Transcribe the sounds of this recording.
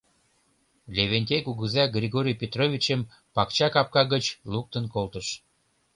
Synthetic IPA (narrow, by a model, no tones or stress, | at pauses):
lʲeβenʲt̪ʲekuɣəzɑɡrʲiɣoɾʲijpʲet̪rovʲit͡ɕəm | pɑkt͡ɕɑkɑp̚kɑɣət͡ɕluk̚t̪ənkolt̪əʃ